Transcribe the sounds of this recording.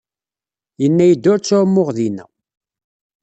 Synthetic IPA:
jənːæjəd̪ːʊɾt͡sːʊɾmːʊʁðinæ̰

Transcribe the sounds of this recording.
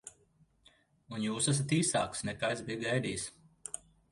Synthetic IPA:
unjuːsɛs̬at̪iːsa̰ːksnɛkajt̪zbijɡajd̪iːs

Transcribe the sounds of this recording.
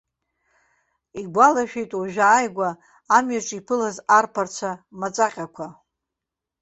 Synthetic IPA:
iɡʷalaʃᶣejtʼuʒᶣaːjɡʷaː | mɥaʈ͡ʂʼipʰɨlazarpʰart͡sʷʰamat͡sʼaqʲʼakʷʰa

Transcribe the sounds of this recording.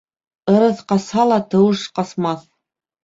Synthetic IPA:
ɤ̆ɾɤθqɑshɑlˠɑt̪ɤ̆wɤʃqɑsmɑθ

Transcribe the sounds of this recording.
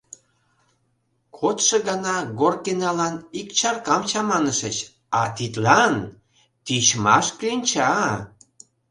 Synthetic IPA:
kʰot̪ʃɤ̆ɣɑnɑɣorkenɑlɑnikt͡ɕɑrkɑmt͡ɕɑmɑnəʃət͡ɕ | ɑt̪it̪lɑn | t̪it͡ɕmɑ̰ʃkinʲt͡ɕɑ

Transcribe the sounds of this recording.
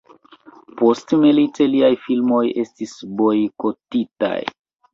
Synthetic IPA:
po̞stmiliteliajfilmo̞je̞stisbo̞jko̞tita̰j

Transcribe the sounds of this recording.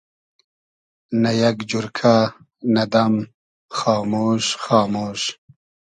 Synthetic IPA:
najaɡd͡ʒuɾkʰa | nad̪am | xɑːmoːʃxɑːmoːʃ

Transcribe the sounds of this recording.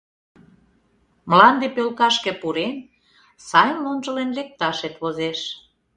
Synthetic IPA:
məlɑnd̪epølkɑʃkĕpuɾen | sɑjnlonʒə̆lenlek̚t̪ɑʃet̪βozeʃ

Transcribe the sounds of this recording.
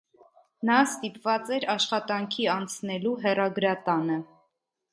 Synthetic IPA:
nɑst̪ipvɑt͡sɛɾɑʃχɑt̪ɑŋkʰiɑnt͡sʰnɛluɦɛrɑɡɾɑt̪ɑnə

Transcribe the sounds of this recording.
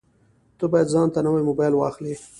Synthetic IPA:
t̪əbɑjad̪zɑnt̪anawajmobɑjlwɑxli

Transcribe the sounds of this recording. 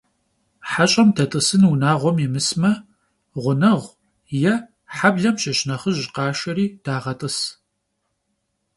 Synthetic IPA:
ħaɕʼɐmtʰɐtʼɨsɨnunaːʁʷɔmimɨsmɐ | ʁʷʊnɐʁʷ | jɛ | ħabɮɐmʃɐɕʼnɐχəʑqɑːʃɐɾiːd̥aːʁɐtʼɨs

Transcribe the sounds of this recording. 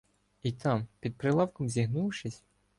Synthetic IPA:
it̪ɑmpʲid̪̚pɾɪlˠɑwkɔmzʲiɦnuwʃɪsʲ

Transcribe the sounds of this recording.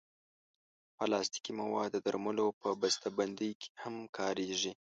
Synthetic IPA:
pəlɑst̪i̥kimawɑd̪ːəd̪aɾməlopəbast̪aband̪əjkʰe̥hamkʰɑɾeʒi

